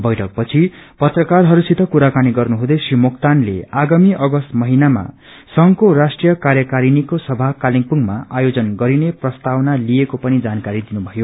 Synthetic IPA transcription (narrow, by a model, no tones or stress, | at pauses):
bʌjʈʰʌk̚pʌt͡sʰipʌt̪rʌkarɦʌɾusit̪ʌkuɾakaniɡʌrnuɦud̪esimokt̪anlḛaɡamiʔʌɡʌst̪mʌɦinama̰ | sʌŋkorasʈrijʌkarjʌkaɾinikosʌbʱakaliŋpuŋɡmaʔajod͡zʌnɡʌɾineprʌst̪awnaliekopʌnid͡zankaɾid̪inubʱʌjo